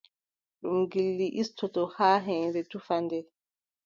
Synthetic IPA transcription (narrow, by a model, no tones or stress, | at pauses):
ɗumɡilːiʔistʰɔtɔhaːɦɛnɾɛtufandɛ